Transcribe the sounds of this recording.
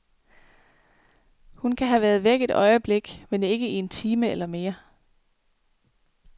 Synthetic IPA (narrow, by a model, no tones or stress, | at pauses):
hunkʰæɦæʋæɐð̞ˠʋeɡ̥e̝d̥ɒ̽ɪəb̥le̝ɡ̥mene̝ɡ̥əie̝nt͡sʰiːməelɐme̝ːɐ